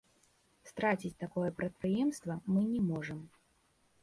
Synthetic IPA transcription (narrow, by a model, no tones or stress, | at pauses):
st̪ɾat͡sʲit͡sʲt̪akɔjɛpɾɐt̪̚pɾɨjɛmst̪vɐmɨnʲɛmɔʐɐm